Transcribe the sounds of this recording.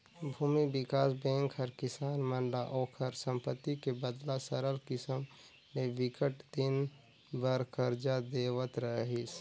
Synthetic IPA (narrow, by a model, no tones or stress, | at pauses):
bʱuːmibɪkaːsbɛ̃ːŋkɦəɾkɪsaːnməɳɖaʔoːkʰəɾsə̃mpət̪ːikebəd̪lasəɾəlkɪsəm | meʋɪkəʈt̪in | bəɾkəɾd͡ʒad̪eːʋət̪ɾəɦis